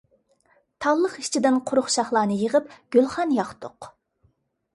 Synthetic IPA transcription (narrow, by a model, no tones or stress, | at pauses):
t̪ʰɑlˠːəqiʃt͡ʃʰid̪ɪnqʰʊɾʊχʃɑχlˠɑːnɨjəʁəpɡ̥ʲølˠχɑnjɑχt̪ʰʊq